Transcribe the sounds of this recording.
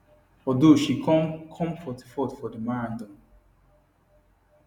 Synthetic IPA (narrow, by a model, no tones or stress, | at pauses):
fɔdoʃikkʰɔ̃mfɔti̥fɔtfɔdəmaɹdɔ̃n